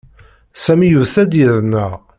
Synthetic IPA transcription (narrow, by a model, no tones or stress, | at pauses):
sæmijuθæd̪jəðnəʁ